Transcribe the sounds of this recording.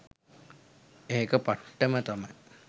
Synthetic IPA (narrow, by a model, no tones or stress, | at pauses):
eɦekəpaʈːəmət̪amaj